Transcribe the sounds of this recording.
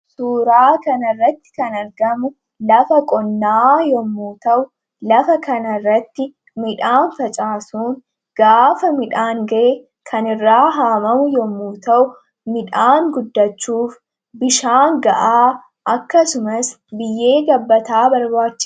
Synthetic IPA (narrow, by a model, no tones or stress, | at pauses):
suːɾaːkɐnɐrːɐt̪ːɪ̥kɐnɐɾɡɐmʊ | lɐfɐkʼɔnːaːjɔmːuːt̪ɐʔʊ | lɐfɐkɐnɐrːɐt̪ːɪ | mɪᶑaːnfɐt͡ʃʼaːsuːŋ | ɡ̥aːfɐmɪᶑaːŋɡɐʔɛ | kʰɐnɪrːaːɦaːmɐmʊjɔmːuːt̪ɐʔʊ | mɪᶑaːŋɡʊd̪ːɐt͡ʃːuːf | bɪʃaːŋɡɐʔaː | ʔɐkːɐsʊmɐs | bɪjːe̞ːɡɐbːɐt̪aːbɐɾbaːt͡ʃːɪs